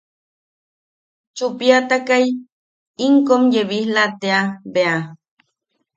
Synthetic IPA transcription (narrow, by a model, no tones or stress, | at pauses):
t͡ʃupiat̪akaj | iŋkomjeβihlat̪eabea